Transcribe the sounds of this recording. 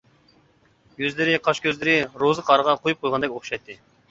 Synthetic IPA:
jøzlɪɾɪqʰɑʃkʲʰøzlɪɾɪɾozɨqʰɑɾəʁɑqʰojup̚qʰojlʁɑnd̪ɛkʲoχʃɑjt̪ʰːɨ

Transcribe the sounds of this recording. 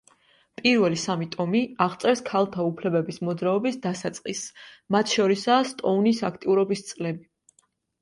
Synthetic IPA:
pʼiɾvɛlisamit̪ʼɔmiaʁt̪sʼɛɾskʰalˠt̪ʰaupʰlɛbɛbismɔd̪zɾaɔbisd̪asat̪sʼqʼismat̪ʰʃɔɾisast̪ʼɔunisakʰt̪ʼiuɾɔbist̪sʼlɛbi

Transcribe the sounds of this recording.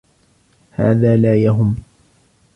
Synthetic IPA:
ha̰ːðaːlaːjaɦʊm

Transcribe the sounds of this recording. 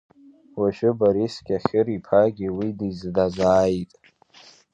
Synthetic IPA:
waʃᶣʊbaɾiskʲʼaχʲɪɾipʰaɡʲiwidizdazʷaːjtʼ

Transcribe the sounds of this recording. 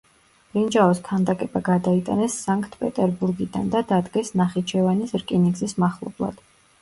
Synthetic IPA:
ɾind͡ʒaɔskʰand̪akʼɛbaɡad̪ait̪ʼa̰nɛsːaŋkʼʰt̪ʰpʼɛt̪ʼɛɾbuɾɡid̪and̪ad̪ad̪ɡɛsnaχit͡ʃʰɛvanisɾkʼiniɡzismaχlˠɔ̰blˠa̰d̪̥

